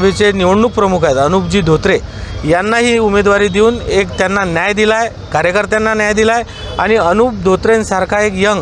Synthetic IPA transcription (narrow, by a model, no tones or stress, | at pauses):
ʋit͡seniʋəɳnuk̚pɾəmukʰajet̪ənup̚d͡ʑiːd̪ʱot̪ɾejanːaɦiːumed̪ʋaɾiːd̪iuːnekt̪janːanjajd̪ilaj | kaɾəkəɾt̪janːanjajd̪ilaj | aɽ̃iənuːp̚d̪ʱot̪ɾensaɾkʰaekjəŋɡ